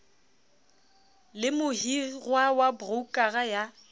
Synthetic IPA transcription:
lɪmʊhirwawabrukʼaɣaja

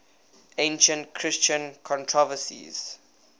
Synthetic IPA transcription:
ẽnʃə̃ntkʰɹɪst͡ʃə̃nkʰɔ̃ntʰɹɔvəsḭz̥

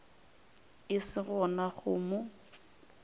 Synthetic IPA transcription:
ɪsɪɣɔnaχʊmʊ

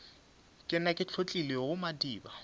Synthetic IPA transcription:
kʼɪnakʼɪt͡ɬʰot͡ɬʼileɣʊmadiːba

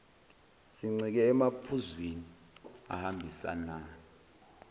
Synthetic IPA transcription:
siŋ͡ǀik̬ɛːmapʰuzwini | a̰hambʱisa̰naː

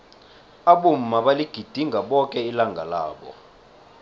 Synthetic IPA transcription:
aɓum̩maɓaliɡ̥ʱid̥ʱiŋɡʱaɓɔkʼɛilaŋɡʱala̰ːɓɔ̰

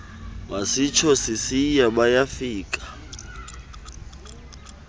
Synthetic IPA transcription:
wasit͡ʃʰɔsisijaɓajafiːkʼḁ

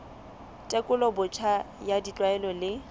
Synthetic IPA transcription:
tʼekʼʊlɔbʊt͡ʃʰa | jadit͡ɬʼwaɛlɔlɪ

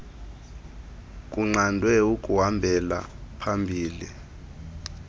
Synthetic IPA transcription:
kʼuŋ͡ǀandʱwɛukʼuɦambʱɛla̰pʰambʱiːli

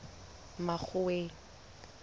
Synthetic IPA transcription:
maχʰʊweːŋ̩

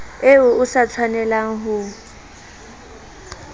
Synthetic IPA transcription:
eʊʊsat͡sʰwanɛlaŋ̩ɦʊ

